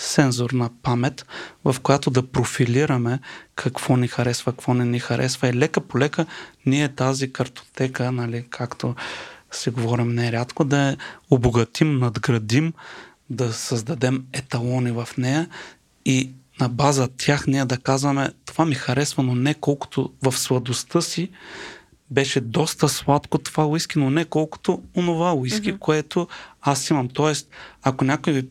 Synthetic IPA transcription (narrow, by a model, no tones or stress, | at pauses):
sɛnzoɾnɐpamɛt̪vɐfkoʊjat̪od̪ɐpɾofiliɾɐmɛkʰɐkv̥ɔnixɐɾɛsvɐkvɔnɛnixɐɾʔɛ̰svɐilɛkəpolɛkəniɛt̪azikɐɾt̪o̥t̪ɛkənɐlikʰakt̪osɛɡovɔɾimnɛɾʲjat̪kod̪ɐɛoboɡɐt̪imnɐd̪ɡɾɐd̪im | d̪ɐsɐzd̪ɐd̪ɛmɛt̪ɐlˠɔnivɐfnɛjɐ | inɐbazət̪ʲʰjaxnijɛd̪ɐkazvɐmɛt̪ovamixɐɾɛsvɐnonɛkɔlˠkʊ̥t̪ovɐfslˠɐd̪ost̪ɤsi | bɛʃɛd̪ɔst̪əslˠat̪kot̪o̥vaoiskinonɛkɔlˠkʊ̥t̪oonovaʊiskʲikoɛt̪oasimɐmt̪ɔɛst̪̚ɐkonʲakojvi